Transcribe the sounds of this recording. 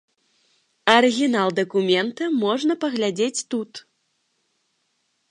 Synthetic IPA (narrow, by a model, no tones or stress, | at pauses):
ɐɾɨɣʲinalˠd̪ɐkumʲɛnt̪ɐmɔʐnɐpɐɣlʲad͡zʲet͡sʲt̪ut̪